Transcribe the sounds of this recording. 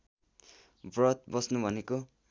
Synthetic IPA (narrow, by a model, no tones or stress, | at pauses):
brʌt̪̚bʌsnubʱʌneko